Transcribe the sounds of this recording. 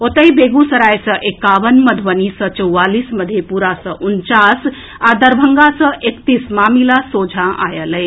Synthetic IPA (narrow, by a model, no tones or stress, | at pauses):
ot̪əjbeɡusəɾajsə̃ʔekaʋənməd̪ʱʋənisə̃t͡ʃəwːalisməd̪ʱjepuɾasəʔunt͡ʃas | ad̪əɾbʱəŋɡasə̃ʔekt̪ismamilasod͡ʒʱãʔa̰jələj